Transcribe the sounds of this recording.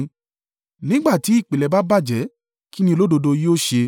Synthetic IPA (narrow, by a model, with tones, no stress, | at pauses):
nĩ˦ɡ͡ba˦˨ti˨˦i˦˨k͡pe˨lɛ˨ba˦ba˦˨d͡ʒɛ˨˦ | ki˦nĩ˧lo˦do˧do˧joː˦˨ʃe˧